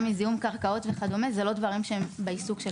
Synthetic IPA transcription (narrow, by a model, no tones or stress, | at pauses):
mizijumkaʁkao̞t̪veχadomezelo̞dvaʁimʃeembeisuɡʃe